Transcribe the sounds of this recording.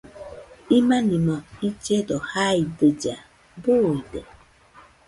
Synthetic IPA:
imanimɔit͡ʃedɔhaidəd͡ʒa | bʊide

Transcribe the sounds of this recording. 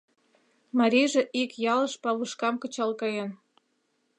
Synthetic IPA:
mɑɾʲiʒĕʔikjɑlɤʃpɑβuʃkɑmkɤ̆t͡ɕɑlkɑjen

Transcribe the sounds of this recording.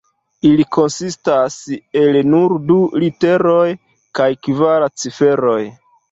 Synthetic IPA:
ilikʰo̞nsistase̞lnuɾdulite̞ɾo̞j | kajkvaɾat͡sife̞ɾo̞j

